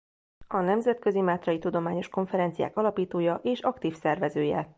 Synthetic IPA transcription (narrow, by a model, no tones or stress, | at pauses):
ɒnɛmzɛt̪kø̞zimaːt̪rɒjit̪ud̪o̞maːɲo̞ʃko̞ɱfɛɾɛnt̪sija̰ːkɒlɒpiːt̪oːjɒʔeːʃɒkt̪iːfsɛrvɛzøːjɛ̰